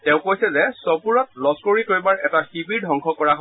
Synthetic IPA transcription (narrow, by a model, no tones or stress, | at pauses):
tɛʊ̃kojsɛzɛsɔpuɹɔt̚lɔskoɹikoɹjbaɹɛtaxibiɹdʱɦɔŋkʰɔkɔɹak